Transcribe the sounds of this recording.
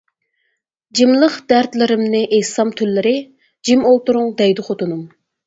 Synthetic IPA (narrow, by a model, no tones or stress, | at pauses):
d͡ʒimlˠəχd̪æɾt̪lɪɾɪmnɨʔehsɑmt̪ʰylːɪɾɪ | d͡ʒimolˠt̪uɾʊŋd̪ɛjd̪ɨχʰot̪unum